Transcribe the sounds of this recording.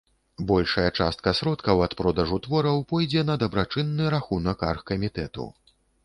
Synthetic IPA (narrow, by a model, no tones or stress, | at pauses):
bɔlʲʂɐjɐt͡ʂa̰st̪̚kɐsɾɔt̪kɐwɐt̪pɾɔd̪ɐʐut̪vɔɾɐwpɔjd͡zʲɛnɐd̪ɐbɾat͡ʂɨnːɨɾaxunɐkarxkɐmʲit̪ɛt̪ṵ